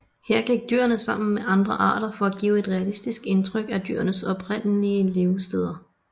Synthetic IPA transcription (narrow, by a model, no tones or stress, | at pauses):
heɐ̰ɡ̥eɡ̥̚d̥y̰ːɐnəsɑ̈m̰n̩meʔɑ̈nd̥ʁɐʔɑ̰̈ːɾ̥ɐfɒ̽æɡ̥ḭːʊe̝d̥ʁɛælisd̥isɡ̥e̝nt͡sʰʁœɡ̥æd̥y̰ɐnəsɒ̽b̥ʰʁen̰liəle̝ʊsd̥eð̞ˠɐ